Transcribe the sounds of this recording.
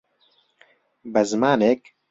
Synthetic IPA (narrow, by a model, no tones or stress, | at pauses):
bɛzmaːnek̚